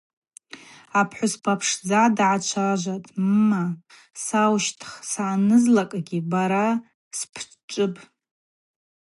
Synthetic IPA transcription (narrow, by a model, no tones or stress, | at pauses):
apʰħʷʊspʰapʰʂd͡zadʕat͡ʃʷʰaʒʷatʼmːa | sawʃtʰχsaːnɨzlakʼaɡʲibaɾa | spʰ | t͡ʃʼɨpʼ